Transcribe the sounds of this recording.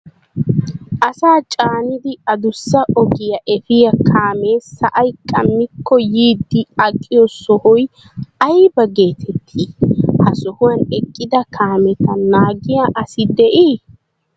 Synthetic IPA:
ʔɐsaːt͡ʃʼaːnɪd̪ɪɐd̪ʊsːɐʔɔɡɪjɐʔɛfɪjɐkʰaːme̞ːɐʔɐjkʼɐmːɪkːɔjiːd̪ːɪɐkʼːɪjɔsɔhɔj | ɐjbɐɡe̞ːt̪ʰɛt̪ʰːihɐsɔhʊwɐnɛkʼːɪd̪ɐkʰaːmɛt̪ɐnaːɡɪjaʔɐsɪd̪ɛʔi

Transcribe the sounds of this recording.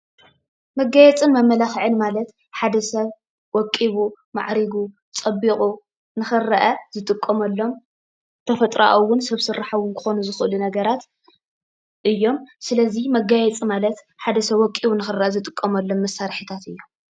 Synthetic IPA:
mɐɡajɛt͡sʼɨnmɐmːɐlaxʕɨnmalɐt̪ | ħad̪ɐsɐβ | wɔkʼːiβu | ma̰ʕɾiɡu | t͡sʼɐbːikʼu | nɨxɨrɐʔɐzɨt̪ʼɨkʼːɐmɐlːo̞m | t̪ʰɐfɐt̪ʼɾa̰ʔowːʊnsɐβsɨrːaħawʊnkʰɨ̥xo̞nuzɨxʔɨlunɐɡɐɾat̪ | ʔɨjːo̞msɨlɐzimɐɡajɛt͡sʼimalɐt̪ | ħad̪ɐsɐβwɔkʼːiβunɨxɨrɐʔɐzɨt̪ʼɨkʼːɐmɐlːo̞mːɐsaɾħit̪ʰat̪ɨjːom

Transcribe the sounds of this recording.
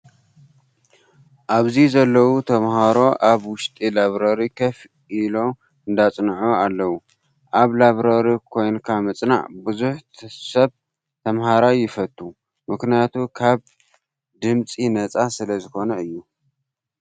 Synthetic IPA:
ʔaβzizɐlːɐwut̪ʰɐmhaɾo̞ʔaβwʊʃt̪ʼilaβɾɐɾikʰɐf | ilo̞ | ɨnd̪at͡sʼnʕoalːɐwu | ʔaβlaβɾɐɾikʰo̞jnkʰamɨt͡sʼna̰ʕbɨzuħsɐβ | t̪ʰɐmhaɾajɪfɐt̪ʼːu | mɨknijat̪ʰukʰaβ | d̪ɨmt͡sʼinɐt͡sʼasɨlɐzɨxo̞nɐɨjːu

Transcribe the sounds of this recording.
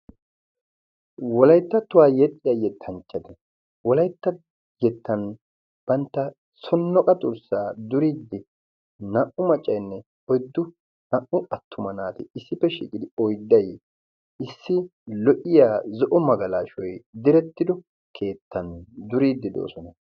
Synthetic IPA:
wɔlɐjt̪ːɐt̪ʊwaːjɛt̪ʼːɪjajɛt̪ʰːɐnt͡ʃʼːɐd̪ɛ | wɔlɐjt̪ːɐ | jɛt̪ːɐn | b̥ɐnt̪ːɐ | sɔnːɔkʼɐt̪ʼʊɾsaːd̪ʊɾiːd̪ːɪ | nɐʔʊmɐt͡ʃʼːɐjnːɛ | ɔjd̪ːʊ | nɐʔʊɐt̪ʰːʊmɐnaːt̪ɪɪsːɪpːɛʃḭːkʼɪd̪ɪɔjd̪ːɐj | ɪsːɪlɔʔɪjaːzɔʔɔmɐɡɐlaːʃɔjd̪ɪɾɛt̪ːɪd̪ɔ | kʰe̞ːt̪ːɐnd̪ʊɾiːd̪ːɪd̪o̰ːsɔnɐ

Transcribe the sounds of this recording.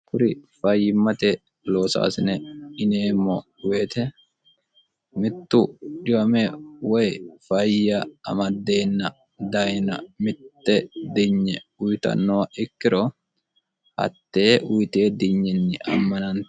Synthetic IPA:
kʊɾɪfɐjːɪmːɐt̪ɛ | lo̞ːsa̰ːsɪnɛɪneːmːɔ | we̞ːt̪ɛ | mɪt̪ːʊᶑɪwɐmɛwɔjfɐjɐɐ̰mɐd̪ːe̞ːnːɐ | d̪ɐjnɐ̰mɪt̪ːɛd̪ɪɲːɛʊjt̪ɐ̰nːɔwɐʔɪkːɪɾɔ | hɐ̰t̪ːe̞ːʔʊjt̪eːd̪ɪɲːɛnːɪʔɐ̰mːɐnɐn

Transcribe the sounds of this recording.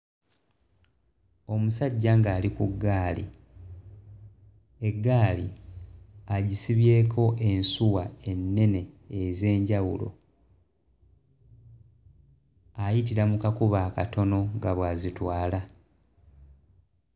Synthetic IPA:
o̞musaɟːaŋɡaːlikuɡːaːlḭ | e̞ɡːaːli | aɟisiβje̞ːkʰo̞ʔe̞nsuwae̞nːe̞ne̞ː | ze̞ːɲɟawṵlo̞̰ | ajitiɾamukakuβaːka̰to̞no̞ŋɡaβwaːzitwaːla

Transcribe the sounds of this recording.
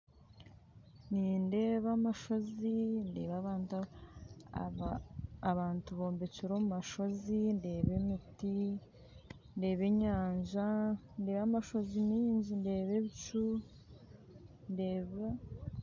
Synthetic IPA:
niːnde̞ːβamaʃo̞zinde̞ːβaβaːnt | aβaːntuβo̞ːmbe̞ciɾo̞mumaʃo̞zinde̞ːβe̞miti | nde̞ːβe̞ɲaːɲʒa | nde̞ːβamaʃo̞zimiːɲɟinde̞ːβe̞βit͡ʃu | nde̞ːβa

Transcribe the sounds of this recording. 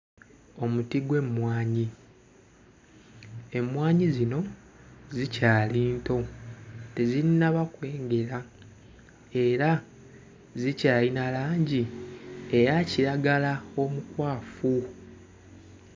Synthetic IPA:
o̞mutiɡwe̞mwaːɲi | e̞mwaːɲizino̞ | zicaːliːnto̞te̞ziinaβakwe̞ːŋɡe̞ɾa | e̞ɾa | zicaːlinalaːɲɟi | e̞jaciɾaɡalao̞mukwaːfu

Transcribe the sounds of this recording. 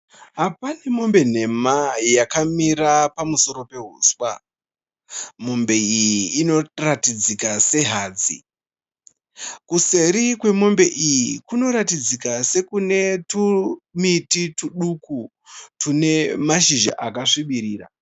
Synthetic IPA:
ɦapane̞mo̞mbe̞n̤e̞majakamiɾapamuso̞ɾo̞pe̞ɦuːswa | mo̞mbe̞ijiːno̞ratid͡zikase̞ɦaːd͡zḭ | kuse̞ɾikwe̞mo̞mbe̞ʔijikuno̞ɾatid͡zikase̞kune̞tumitituɗuku | tune̞maʃiʒa̰ʔakaʂiɓiɾiːra̰

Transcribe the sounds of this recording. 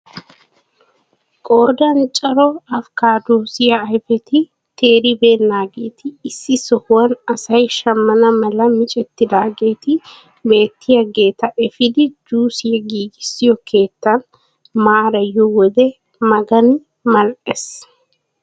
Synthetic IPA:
kʼoːd̪ɐnt͡ʃʼɐɾɔɐfkaːd̪oːsɪjɐːjfɛt̪ɪ | t̪ʰeːɾɪbe̞ːnːaːɡe̞ːt̪ɪːsːɪsɔhʊwɐnɐsɐjʃɐmːɐnɐmɐlɐmɪt͡ʃʼɛt̪ːɪd̪aːɡe̞ːt̪ɪ | be̞ːt̪ːɪjɐɡe̞ːt̪ɐʔɛfɪd̪ɪd͡ʒuːsɪjɐɡiːɡɪsːɪjɔkʰe̞ːt̪ːɐn | maːɾɐjːɔwɔd̪ɛ | mɐɡɐn | mɐlʔɛs

